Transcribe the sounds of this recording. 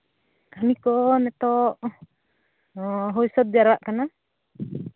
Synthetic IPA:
kamikɔʔnɛt̪ɔʔ | ɦɔjsɔt̪̚d͡ʒaɾaʔkana

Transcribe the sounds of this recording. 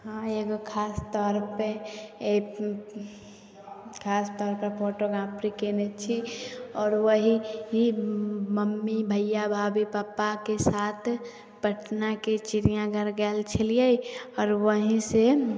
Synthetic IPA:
ɦãeɡokʰaːst̪ɔːɾpee | kʰaːst̪ɔːɾpəpʰoʈoɡapɾikenet͡ʃʰiɔːɾʋəɦiɦiməmːibʱəjːabʱaːbipaːpakesaːt̪ʰ | pəʈnaket͡ʃiɾijãɡʱəɾɡɛːlt͡ʃʰəliaiɔːɾwəɦĩse

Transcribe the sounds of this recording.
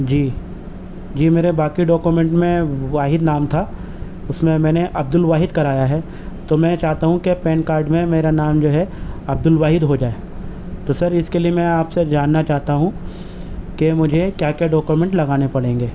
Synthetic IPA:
d͡ʒiː | d͡ʒiːmeːɾebaːkiɖɔːkjumẽɳʈmẽʋaːɦɪd̪naːmt̪ʰa | ʊsmẽmɛ̃ːneʔɐb̚d̪ʊlʋaːɦɪd̪kɐɾaːjaɦɛ | t̪omɛ̃t͡ʃaːɦt̪aɦũkepɛ̃ːnkaːɾɖmẽmeːɾanaːmd͡ʒoːɦɛɐb̚d̪ʊlʋaːɦɪd̪ɦod͡ʒaːe | t̪oːsɐɾɪskeliemɛ̃aːpsed͡ʒaːnːat͡ʃaːɦt̪aɦũ | kemʊd͡ʒʱekjaːkjaɖɔːkjumẽɳʈlɐɡaːnepɐɽẽːŋɡeː

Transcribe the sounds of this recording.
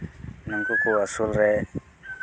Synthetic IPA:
naŋkukuwasulɛ

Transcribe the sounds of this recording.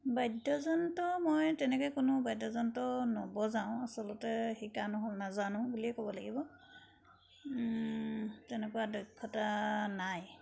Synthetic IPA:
bajdɔzɔntɔmɔjtɛnɛkɔjkʊnʊbajdɔzɔntɔnɔbɔzaʊ̃asɔlɔtɛxikanɔɦɔlnazanʊ̃buliɛkɔbɔlaɡibɔ | tɛnɛkʊwadɔjkʰːɔtanaj

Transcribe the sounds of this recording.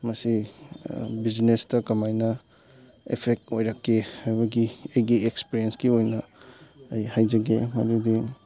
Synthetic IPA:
mɐsi | bid͡ʒnestɐkɐmajnɐ | epʰek̚tojɾɐkʰːeajbɐɡiejɡiekspiɾiensɡiojnɐ | ɐjhajd͡ʒɐɡemɐ̰dudi

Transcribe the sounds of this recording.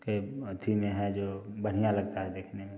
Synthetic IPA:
keot̪ʰimẽɦɛd͡ʒoːbəɽ̤ijalɐɡt̪aɦɛd̪eːkʰnemẽ

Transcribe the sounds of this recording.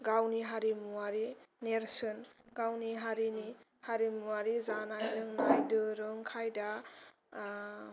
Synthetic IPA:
ɡawniɦaɾimuaɾineɾsɯnɡawniɦaɾini | haɾimuaɾizanajlɯŋnajdɯɾɯŋkʰajda

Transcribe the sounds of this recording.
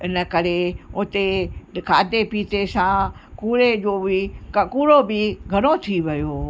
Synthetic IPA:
ɪnə̆kɐɾeʊt̪ekʰaːd̪epiːt̪esãkuːɾed͡ʑoːbɪkɐkuːɾobɪɡʱɐɽ̃ot̪ʰiʋɐjoː

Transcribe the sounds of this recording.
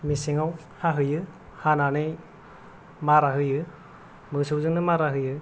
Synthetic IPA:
misiŋaw | haɦɯjɯ | hananɯj | maɾaɦɯjɯ | mɯsɯwzɯŋnɯmaɾaɦɯjɯ

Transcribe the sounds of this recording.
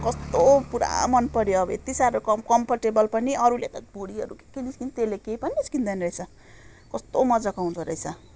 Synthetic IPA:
kʌst̪opuɾa̰mʌnpʌɾjoʌbʌ̰ḛt̪isaɾokʌkʌmpʰʌrʈebʌlpʌniʌɾulet̪ʌbʱuɽiɦʌ̰ɾṵke̥keniskint̪elekejpʌniiskind̪ʌniɾʌjt͡sʰʌ | kʌst̪omʌd͡zʌkawund̪ʰʌɾʌjt͡sʰʌ

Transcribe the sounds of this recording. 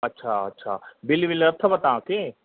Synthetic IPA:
ɐtːʃʰaɐtːʃʰa̰ːbilibilɐt̪ʰːɐbɐt̪ãːke

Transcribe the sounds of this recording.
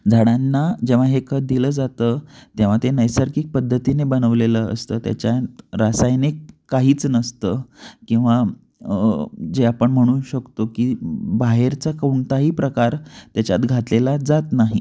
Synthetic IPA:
d͡zʱaɽanːad͡ʑeʋ̤aɦekəd̪iləːd͡zat̪ət̪jaʋ̤at̪enəjsəɾkiːk̚pəd̪ʱːət̪inebənəʋleləə̰st̪əːt̪ja̰t͡ɕjaɾasajnekkːaɦiːt͡snəst̪əːkĩw̃ʋa | d͡ʑeapəɳm̤əɽ̃uːɕəkt̪okiːbaɦeɾt͡sakəuɳt̪aɦiːpɾəkaɾt̪jat͡ɕjat̪ɡʱat̪lelad͡zat̪naɦḭ

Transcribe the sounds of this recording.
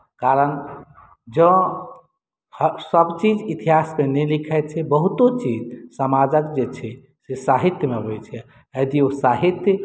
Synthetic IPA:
kaɾən | d͡ʒə̃ | hsəbt͡ʃid͡ʒit̪iɦasmenɛlikʰɛt͡ʃʰɛbəɦut̪ot͡ʃid͡ʒsəmad͡ʒəkd͡ʒet͡ʃʰɛ | sesaɦit̪jəmeɦojt͡ʃʰɛ | əd̪iosaɦit̪jə

